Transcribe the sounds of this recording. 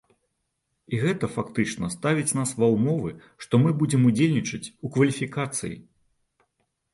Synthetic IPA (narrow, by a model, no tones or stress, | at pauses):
iɣɛt̪ɐfakt̪ɨt͡ʂnɐst̪avʲit͡sʲnasvɐwmɔvɨ | ʂt̪ɔmɨbud͡zʲɛmud͡zʲelʲnʲit͡ʂɐt͡sʲukvɐlʲifʲikat̪sɨ̰jḭ